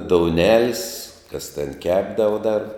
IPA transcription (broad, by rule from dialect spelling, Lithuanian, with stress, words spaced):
doːʊˈnʲæːlʲɪs kɐs tʲɛn ˈkʲæːbdɐʋɐ dɐr